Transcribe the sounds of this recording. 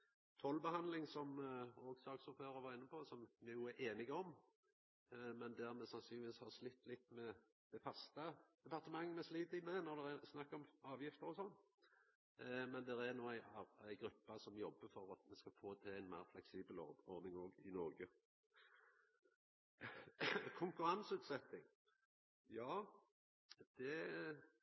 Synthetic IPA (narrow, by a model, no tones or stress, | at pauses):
t̪ʰɔlbəhɑnd̪lɪŋsɔmɔɡsɑːksɔføːɾɑʋɑːɾɪnːəpʰosɔmmɛjuːæʔeːnɪɡəɔm | mɛnd̪æɾmɛsɑnsyːnɪʋiːshɑʁslɪt̪ːlɪt̪ːmɛ | d̪̥ɛfɑst̪əd̪̥ɛpʰɑʁt̪əmɑŋːəmɛsliːd̪ɪmɛnɔɾd̪ɛɾæsnɑkːɔmɑːʋjɪft̪əɾɔsɔnː | mɛnd̪ɛɾæɾnuːæɪɑːæɪɡɾʉpːɑsɔmjɔbːəfɔɾɑt̪mɛskɑfoːt̪ʰɪæɪnmæ̰ːɾflɛksiːbəlɔ̰ɔɾnɪŋoːɡɪnɔɾɡə | kʰʊŋkʉɾɑnsʉːt̪sɛt̪ːɪŋ | jɑː | d̪̥ɛ